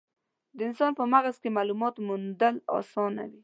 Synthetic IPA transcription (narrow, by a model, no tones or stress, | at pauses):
d̪əɪnsɑnpəmaɣaskemalumɑt̪mund̪əlɑ̰sɑna̰wi